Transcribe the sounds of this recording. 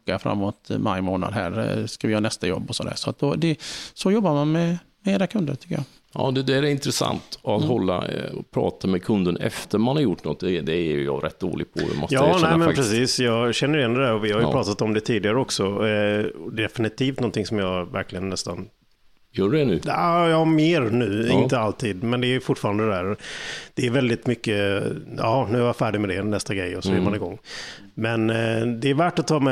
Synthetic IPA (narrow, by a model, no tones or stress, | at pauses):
kːafɾa̰mːoːt̪ma̰jmoːna̰d̪ɦæ̰ːɾskavɪjœːɾanɛst̪ajɔ̰bːɔsɔd̪æ̰ːɾʂɔat̪̚d̪ɔd̪ɛsɔjɔbːaɾmanmɛ | mɛeːɾakʰɵnd̪əɾt̪ʰʏkːəjɑː | ɑ̰ːd̪ɛd̪æɾɛɾɪnt̪ɾɛsa̰nt̪ɔat̪hɔlːa̰ɔpʰɾɑ̰ːt̪ʰamɛkʰɵnd̪ənɛ̰ft̪əɾmanhaɾjʊʈːnɔt̪̚ːd̪ɛd̪ɛɛjjɑ̰ɾʔɛt̪̚ːd̪o̰ːlɪ̰ɡpʰɔ̰ɛ̰mɔsjɑːnɛmɛnak̚pɾɛsiːsjɑːɡɕɛnːəɾɪjɛnɛdæɾɔvɪhaɾjʏpɾɑːt̪at̪ɔmd̪ɛt̪ʰiːd̪ɪɡaɾəɔksɔ | ɔd̪ɛd̪ɛfɪnɪt̪ʰiːft̪nɔnt̪ɪŋsɔmjɑːvæ̰ɾklɪɡənːɛst̪an | jœːɖɛnʉ̟ːɑjɑːmeːɾnʉ̟ːɪnt̪əalt̪ʰiːd̪mɛnd̪ɛːjfʊʈːfɑːɾand̪əd̪ɛæːɾd̪̥ɛːɾvɛld̪ɪt̪mʏkːəɑ̰ːɑnʉ̟ːhaɾjafæːɖɪɡmɛd̪ɛnɛst̪aɡɾɛjɔsɔjɛːmanɪɡɔŋː | mɛnd̪ɛːɾvæːʈːat̪ʰːɑːmɛ